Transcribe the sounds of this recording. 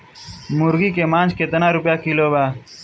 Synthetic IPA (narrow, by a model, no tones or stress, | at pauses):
mʊɾɡiːkeːmãːnt͡ʃkeːt̪ənãːɾʊpjaːkiloːbaː